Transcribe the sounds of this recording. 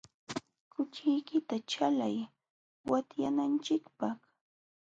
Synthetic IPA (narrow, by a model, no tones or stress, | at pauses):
kʊt͡ʃɪjkɪt̪at͡ʃalaj | wat̪ja̰nant͡ʃɪkpɑχ